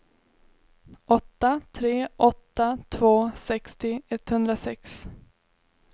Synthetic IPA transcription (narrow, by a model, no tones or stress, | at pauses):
ʔɔt̪ːat̪ʰɾeːʔɔt̪ːat̪ʰvoːsɛkst̪ɪɛt̪hɵnd̪ɾasɛks